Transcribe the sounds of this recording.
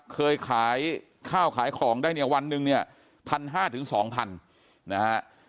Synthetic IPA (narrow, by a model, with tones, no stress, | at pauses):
kʰɤː˧jkʰaː˩˦j | kʰaː˥˩wkʰaː˩˦jkʰlɔː˩˦ŋdaː˥˩jni˧˩ɐwa˧nːɯ˧ŋni˥˩ɐ | pʰa˧nɦaː˥˩t̪ʰɯ˩˦ŋsɔː˩˦ŋpʰa˧n | na˦˥ha˦˥